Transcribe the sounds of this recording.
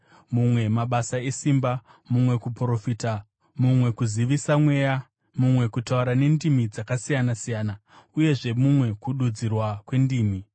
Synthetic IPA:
mumwe̞maɓasae̞simba | mumwe̞kupro̞fiːta | mumwe̞kuziʋisamwe̞ːja | mumwe̞kutauɾane̞ndimid͡zakasijanasijaːna | uje̞ʐe̞mumwe̞kuɗud͡zirwakwe̞ndiːmi

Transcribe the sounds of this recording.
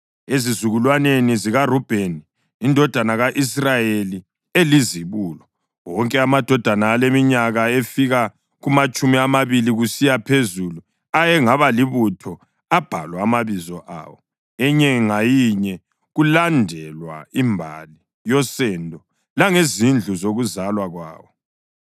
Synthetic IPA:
ezizuɣulwaneniziɣarub̥ʱeni | indʱɔd̥ʱanaɣaʔis̬rajeli | eliziβuːlɔ | wɔŋkʼɛamad̥ʱɔd̥ʱanaːlemiɲaɣaefiɣa | ɣumat͡ʃʼumiamaβiliɣusijapʰezulu | ajɛŋaβaliβutʰɔ | ab̥ʱa̰lwaːmaβizɔʔa̰ːwɔ | ɛɲɛŋajiɲɛ | ɣulandʱɛlwa̰imbʱa̰li | jɔsɛndʱɔ | laŋezind͡ɮʱuzoɣuzalwaɣwa̰ːwɔ

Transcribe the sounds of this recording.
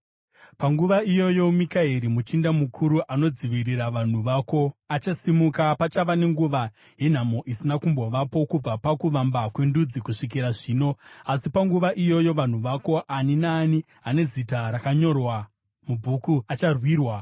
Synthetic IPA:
paŋɡuʋaijo̞jo̞mikaɦeɾimut͡ʃindamukʰuɾuʔano̞d͡ziʋiriraʋan̤uʋaːko̞at͡ʃasimukapat͡ʃaʋane̞ŋɡuʋa | je̞n̤amo̞ʔisinakumbo̞ʋapo̞kub͡vapakuʋambakwe̞ndud͡zikuʂik̬iɾaʐiːno̞asipaŋɡuʋaʔijo̞jo̞ʋan̤uʋako̞ʔaninaːni | ɦane̞zitaɾakaɲo̞rwa | mubʱukuat͡ʃarwiːrwa

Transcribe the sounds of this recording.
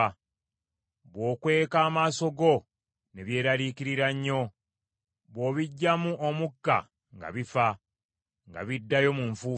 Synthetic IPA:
βwo̞ːkwe̞ːkaːmaːso̞ɡo̞ | ne̞βje̞ːɾaɾikiɾiɾaɲːo̞ | βwo̞ːβiɟːamuʔomukːa̰ | ŋɡa̰βifa | ŋɡa̰βidːajo̞muɱfuː

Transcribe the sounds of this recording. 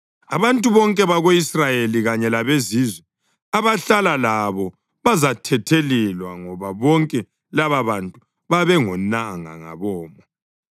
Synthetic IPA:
a̰βantʼuβɔŋkʼɛβaɣoisrajeliɣaɲɛlaβezizwɛ | aβaɬalalaβɔ | βazatʰɛtʰelilwaŋɔβaβɔŋkʼɛ | laβaβantʼu | βaβɛŋɔnaŋa̰ŋa̰βɔːmɔ

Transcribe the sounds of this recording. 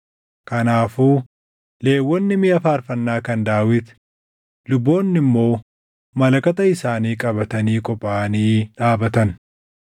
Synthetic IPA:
kɐnaːfuː | le̞ːwːɔnːɪmɪɐfaːɾfɐnːaːkɐnd̪aːwɪt̪ | lʊbːo̞ːnːɪmːo̞ː | mɐlɐkɐt̪ɐɪsaːniːkʼɐbɐt̪ɐniːkʼɔpʼːaːniːᶑaːbɐt̪ɐn

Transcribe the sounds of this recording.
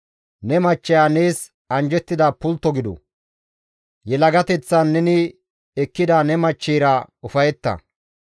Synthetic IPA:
nɛmɐt͡ʃːɛjaːne̞ːs | ɐnd͡ʒɛt̪ːɪd̪aːpʊlt̪ːɔɡɪd̪ɔ̰ | jɛlɐɡɐt̪ɛt͡sːɐnːɛnɪ | ɛkːɪd̪aːnɛmɐt͡ʃːeːɾɐʊfɐjɛt̪ːɐ̰

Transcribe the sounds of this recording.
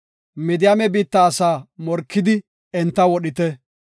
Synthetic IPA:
mɪd̪ɪjɐmɛbiːt̪ːɐːsaːmɔɾkːɪd̪ɪ | ɛnt̪ːɐwɔɗɪt̪ɛ

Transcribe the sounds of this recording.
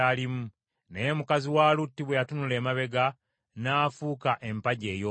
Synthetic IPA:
alimu | nejemukaziwaːlutːiβwejatunule̞ːmaβe̞ɡa | naːfuːkaʔe̞mpaɟe̞ːjo

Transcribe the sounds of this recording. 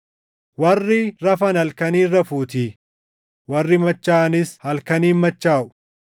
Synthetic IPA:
wɐrːɪɾɐfɐnɐlkɐniːrːɐfuːt̪iː | wɐrːɪmɐt͡ʃːaːnɪshɐlkɐniːnmɐt͡ʃːaːʔʊ̥

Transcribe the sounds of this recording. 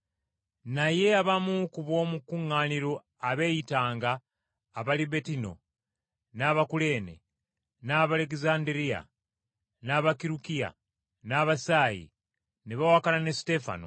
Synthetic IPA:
naje̞aβamukuβwo̞ːmukuŋːaːniɾo̞ | aβe̞ːjitaːŋɡaː | βalibe̞tino̞̰ | naβakule̞ːnḛ | naβale̞k̬izaːndiɾia̰ | naβakiɾukija̰ | naβasaːjḭ | neβawakalane̞si̥te̞fa̰no̰

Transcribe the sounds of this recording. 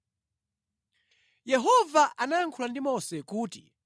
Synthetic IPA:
jɛɦɔvaʔanaːŋkʰulandimɔsɛkuːti

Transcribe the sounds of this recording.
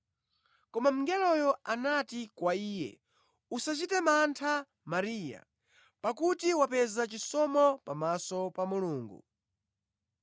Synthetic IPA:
kɔmam̩ŋɡɛlɔjɔanatikwaiːjɛ̰ | usat͡ʃitɛmantʰa | maɾiːja̰ | pakutiwapɛzat͡ʃisɔmɔpamasɔpamuluːŋɡṵ

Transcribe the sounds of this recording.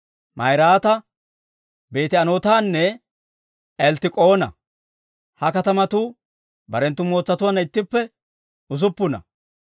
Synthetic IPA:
mʔɐ̰jɾaːt̪ɐ | be̞ːt̪ɪɐnoːt̪aːnːɛ | ɛlt̪ɪkʼo̞ːnɐ̰ | hɐkɐt̪ɐmɐt̪uː | bɐɾɛnt̪ːʊmo̞ːt͡sːɐt̪ʊwɐnɐɪt̪ːɪpːɛ | ʊzʊpːʊnɐ̰

